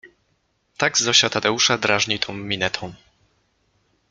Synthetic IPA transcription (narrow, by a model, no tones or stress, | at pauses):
t̪aɡzɔɕat̪ad̪ɛuʂad̪ɾaʐɲit̪ʰɔ̃w̃mʲinɛt̪ʰɔ̃w̃